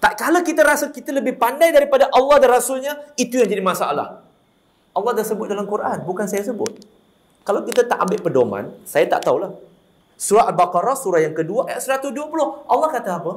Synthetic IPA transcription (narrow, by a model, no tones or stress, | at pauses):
t̪aʔkalawkit̪aɾasakit̪aləbɪhpandajdaɾipadaʔɑlːɑhdanrasʊlɲait̪ujaŋd͡ʒadimasaʔa̰la̰h | ʔɑlːɑhdasəbʊt̪̚dalamkurʔanbukansajasəbʊ̰t̪̚ | kalawkit̪at̪aʔambɪʔpədoma̰nsajat̪a̰ʔt̪aulah | suɾaʔalbakɔɾɔsuɾajaŋkəduaʔajaʔsəɾat̪usduapulʊhʔɑlːɑhkat̪aːpə